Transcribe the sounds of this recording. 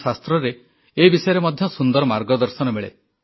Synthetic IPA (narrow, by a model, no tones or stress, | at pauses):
sast̪ɾɔɾe | ebisɔjɔɾemɔd̪ʱjɔsund̪ɔɾɔmaɾɡɔd̪ɔɾsɔnɔmeɭḛ